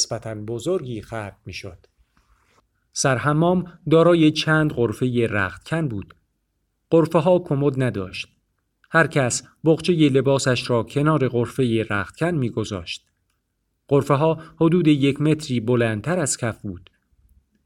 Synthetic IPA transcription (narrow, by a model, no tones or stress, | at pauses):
sb̥æt̪ʰænbozoɾɡiːxæb̪̥̚miːʃod̪̥ | sæɾɦæmːɒːmd̪ɒːɾɒːjet͡ʃʰæːnd̪ɢoɾfe̞jeɾæ̰ːχt̪̚cʰænbuːd̪̥ | ɢ̥oɾfeɦɒːkʰomod̪næd̪ɒːʃt̪̚ | hæɾcʰæsboɣt͡ʃʰe̞je̞le̞bɒːsæʃɾɒːcʰe̞nɒːɾe̞ɣoɾfe̞jeɾæːχt̪̚cʰænmiːɡo̞zɒ̰ːʃt̪̚ | ɢ̥oɾfeɦɒːhod̪uːd̪e̞jecʰme̞t̪ʰɾiːbolænt̪ʰæɾæz̥cʰæfbuːd̪̥